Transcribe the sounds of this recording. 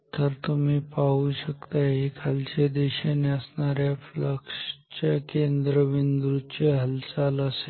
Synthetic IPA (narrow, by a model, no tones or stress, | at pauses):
t̪əɾt̪um̤iːpauɕəkt̪ajɦikʰalt͡ɕed̪eɕeneəsɳaɾjafləkʂt͡ɕakend̪ɾəʋind̪ɾut͡ɕeɦəlsaləse